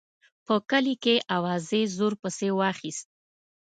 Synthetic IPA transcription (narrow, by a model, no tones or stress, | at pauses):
pəkəlikeʔawɑzezoɾpəsewɑxist̪̚